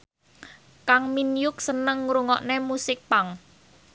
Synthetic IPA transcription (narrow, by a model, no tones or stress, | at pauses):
kaŋminjʊk̚sənəŋɾuŋɔʔnemusɪk̚paŋ